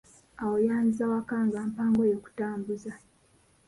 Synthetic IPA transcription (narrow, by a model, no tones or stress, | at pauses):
awojaːnizawakaːŋɡaːmpaːŋɡo̞joːku̥taːmbuza